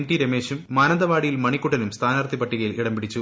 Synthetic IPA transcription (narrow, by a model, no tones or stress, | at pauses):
mʈiɾemeːɕumːaːnɐnd̪ɐʋaːɽijilmɐɳikːuʈːɐnumst̪ʰaːnaːrt̪ipɐʈːiɣɐjiliɽɐmpiɽit͡ɕːu